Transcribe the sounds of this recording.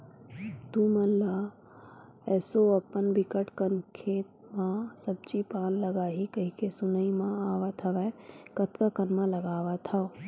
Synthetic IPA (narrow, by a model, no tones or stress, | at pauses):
t̪uməlla | ɛːsoəpənbɪkəʈkənkʰeːt̪̚ | mãsəb̚t͡ʃipaːnləɡaːɦikəɦikesʊnəimãaːʋat̪ʰɐʋɛkət̪kakənmãləɡaːʋat̪ʰa